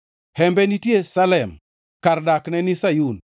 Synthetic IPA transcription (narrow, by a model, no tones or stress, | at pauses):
hɛmbɛnitjesalɛm | kaɾdaknɛnisajun